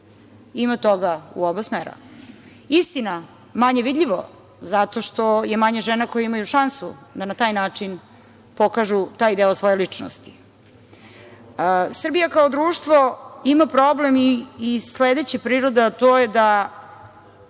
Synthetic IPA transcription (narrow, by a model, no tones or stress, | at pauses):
imat̪oɡaṵobasmeːɾa̰ | ist̪ina | maɲeʋid̪ʎʲiʋo | zat̪o̞ʃt̪o̞je̞maɲeʒeːnakojaimajuʃansud̪anat̪aːjnaːt͡ʂin | pokaʒut̪aːjd̪eosʋo̞jelit͡ʂno̰st̪i̥ | sr̩bijakaod̪ɾuːʃt̪ʋoimapɾoblemiːsled̪et͡ɕepɾiːɾod̪at̪ojed̪a